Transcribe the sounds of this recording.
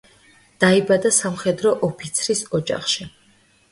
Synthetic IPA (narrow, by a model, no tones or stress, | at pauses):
d̪̥aibad̪asamχɛd̪ɾɔʔɔpʰit̪sʰɾisɔd͡ʒʼa̰χʃi